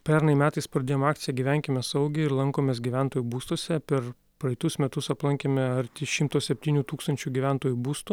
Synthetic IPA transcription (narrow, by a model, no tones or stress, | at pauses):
pʲɛɾnɐɪmʲæːt̪ɐɪspɾɐd̪eːjomɑːk̚t̪sʲɪjɛɡʲiːʋʲæˑŋʲkʲɪmʲɛsɐʊɡʲɪɪɾlˠɐŋkoːmʲɛːs̬ɡʲiʋʲæˑnt̪oːjuːbuːst̪oːsʲɛpʲɛɾ | pɾɐɪt̪ʊsmʲɛt̪ʊsɐplˠɐŋʲkʲemʲɛɐɾʲt̪ʲiʃʲɪmt̪oːsʲɛpʲt̪ʲiːnʲuːt̪uːkst̪ɐnʲt͡ʃʲuːɡʲiʋʲæˑnt̪oːjubuːst̪u